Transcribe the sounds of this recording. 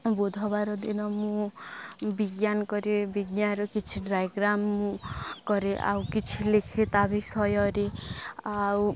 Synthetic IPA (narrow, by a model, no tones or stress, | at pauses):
bud̪ʱɔbaɾɔd̪inɔmũ | biɡjankɔɾebiɡjaɾɔkit͡ʃʰiɖɾajɡɾamːũkɔɾeʔa̰wkit͡ʃʰilekʰet̪abisɔjɔɾeaw